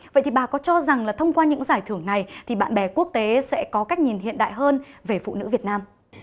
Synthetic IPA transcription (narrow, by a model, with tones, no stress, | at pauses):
və̰˧˨jt̪i˨˩ɓaː˨˩kɔ˨˦t͡ɕɔ˧za˨˩ŋlaː˨˩t̪ʰə˧wŋ͡mkwaː˧ɲɨ̰˧˥ŋzaː˧˩jt̪ʰɨ˧˩əŋna˨˩jt̪ʰi˨˩ɓa̰ː˧˨nɓɛ˧˩ku˦˥ək̚t̪e˨˦sɛ̰˧˥kɔ˨˦ka˦˥jk̚ɲi˨˩nhɦḭ˧˨ənɗa̰ː˧˨jɦəː˧nve˨˩fṵ˧˨nɨ̰˧˥vi˨˩ət̚naː˧m